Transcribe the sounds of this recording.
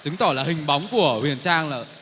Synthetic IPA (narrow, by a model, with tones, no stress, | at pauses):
t͡ɕɨ˨˦ŋt̪ɔ˧˩laː˨˩ɦï˨˩ŋ̟ɓa˨˦wŋ͡mku˧˩əhwḭ˨˩ənt͡ɕaː˧ŋləː˧˨˩